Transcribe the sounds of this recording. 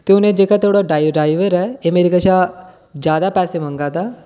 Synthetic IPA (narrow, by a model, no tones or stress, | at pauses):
t̪eʊnẽd͡ʒeːkat̪ʰoːɽoɖaːjɖaːɪʋəɾɛemeɾikat͡ʃa | d͡ʒjaːd̪apɛːsemə̃ŋɡaːt̪a